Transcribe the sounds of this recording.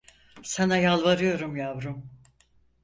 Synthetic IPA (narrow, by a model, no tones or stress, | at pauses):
sanajalˠvaɾɯjo̞ɾumjavɾum